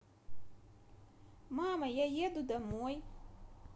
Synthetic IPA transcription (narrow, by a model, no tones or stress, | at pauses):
maːmajajid̪ud̪amuɔj